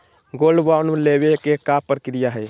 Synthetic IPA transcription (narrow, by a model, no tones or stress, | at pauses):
ɡolɖbawnlebekekapɾəkɾijaɦɛj